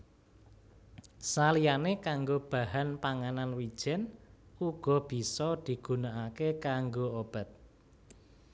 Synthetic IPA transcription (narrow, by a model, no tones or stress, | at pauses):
salijanekaŋɡob̥a̤hanpaŋananwid̥ʒ̥ɛ̤nuɡ̥ɔ̤b̥i̤sɔd̪̥i̤ɡ̥ṳnaʔakekaŋɡoob̥a̤t̪̚